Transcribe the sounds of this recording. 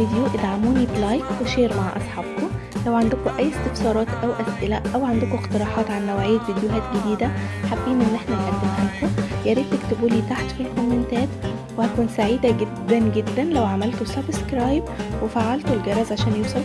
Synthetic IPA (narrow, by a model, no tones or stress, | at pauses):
id̪juʔed̪ʕamuːniblɑjkweʃeːɾmaʕʔɑ̰sˤħɑːbko | læwʕand̪ekoʔæjːest̪efsɑːɾˤɑːt̪ʔæwʔæsʔelæʔʔæwʕand̪ekoeqt̪eɾˤɑːħɑːt̪ʕanːæwʕejːæt̪vid̪joɦæːt̪ɡed̪iːd̪æħabːiːnʔenːʔeħnælʔæd̪ːemhæːkojæɾiːt̪ːekt̪ebuːliːt̪aħt̪fikomːent̪æːt̪ | wehækuːnsaʕiːd̪æɡed̪ːænɡed̪ːænlæwʕamælt̪osɑbskɾɑːjbwefaʕːalt̪olɡɑɾˤɑːzʕaʃæːnjuwsˤɑl